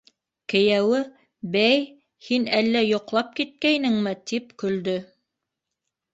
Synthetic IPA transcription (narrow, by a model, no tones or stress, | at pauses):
kɘ̆jæwɘ | bæj | hinælːæjŏqlˠɑp̚kit̪̚kæjnɘŋmɘt̪ipkɵ̆ld̪ɵ